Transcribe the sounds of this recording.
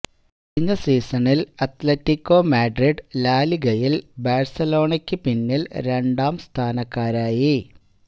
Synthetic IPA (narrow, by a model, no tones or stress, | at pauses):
iɲːɐsiːsɐnilɐt̪lɐtːikːo̞ːmaːɖriɖlaːliɡɐjilbaːrsɐlo̞ːɳɐkʲːɨpinːilɾe̞ɳɖaːmst̪ʰaːnɐkːaːɾaːji